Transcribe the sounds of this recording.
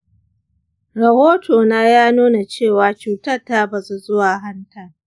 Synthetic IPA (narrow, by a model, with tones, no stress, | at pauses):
ɾɐ˨hoː˦toː˨naː˦jaː˦nuː˦na˨t͡ʃeː˦˨waː˨t͡ʃuː˨tɐ˦tːaː˦ba˨su˦zʊ˦waː˨ɦa˦ntʰɐ˨r